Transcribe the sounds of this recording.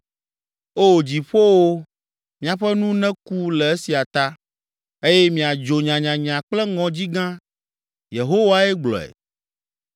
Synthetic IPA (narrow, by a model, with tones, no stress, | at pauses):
o˦˨d͡ʑi˨ɸo˦wo˦ | mĩ˨a˨ɸɛ˦nũ˦nɛ̃˦ku˦lɛ˨e˦si˨a˨t̪a˦ | e˦jɛ˦mĩ˨a˨d͡ʒo˨ɲã˨ɲã˨ɲã˨k͡plɛ˦ŋɔ̃˨d͡ʑi˦ɡã˦ | je˨ɦo˦wa˦ɛ˦ɡ͡blɔ̰˨ɛ̰˨